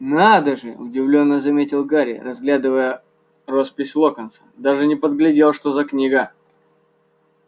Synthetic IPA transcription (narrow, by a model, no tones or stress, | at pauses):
nad̪əʐɨʊ̰dʲɪvlʲo̞nːəzɐmʲetʲɪlˠɡaɾʲɪ̰rɐzɡlʲad̪ɨvəjə | ro̞spʲɪsʲlˠokənt̪sə̥d̪aʐɨnʲɪpəd̪ɡlʲɪdʲelˠʂt̪o̞zɐknʲiɡə